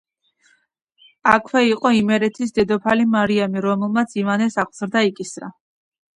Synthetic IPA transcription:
akʰwɛiqʼɔimɛɾɛt̪ʰisd̪ɛd̪ɔpʰalimaɾiamiɾɔmɛlˠmat̪sʰivanɛsaq̪ʰʼzɾd̪aikʼisɾa̰

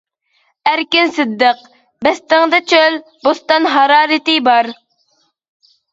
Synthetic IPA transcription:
æɾkʲinsɨd̪ːəq | bɛst̪ɪŋd̪ɨt͡ʃʰøl | bost̪ɑnɦɑɾɑːɾɪt̪ɨbɑɾ

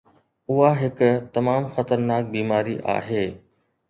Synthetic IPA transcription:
ʊɦaɦɪkʊt̪ɐmaːmxɐt̪əɾnaːk̚biːmaːɾiʔa̰ːɦeː

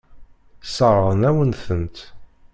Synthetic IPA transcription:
səɾˤəʁənæwənθənt̪

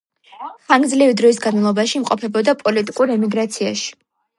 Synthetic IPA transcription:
χaŋɡdzlivid̪ɾɔisɡanmalˠɔbaʃimqʼɔpʰɛbɔd̪apʼɔlit̪ʼikʼuɾɛmiɡɾat̪sʰia̰ʃi̥

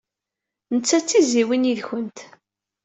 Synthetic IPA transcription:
nət͡sːæt͡sːiziwiniðçənt̪

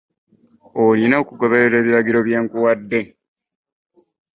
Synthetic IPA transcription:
olinaokuɡoβeɾeːβiɾaɡiɾoβjaŋkuwadːe

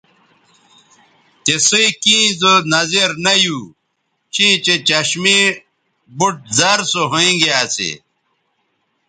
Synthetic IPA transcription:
t̪esiikĩːzonɐzeɾnɐju | t͡ɕĩːt͡ɕet͡ɕɐɕmi | buʈ̚zɐɾsoɦoĩɡeaːsḛ

